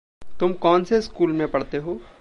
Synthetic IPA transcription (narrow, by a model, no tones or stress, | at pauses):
t̪ʊmkɔːnseskuːlmẽpɐɽt̪eɦoː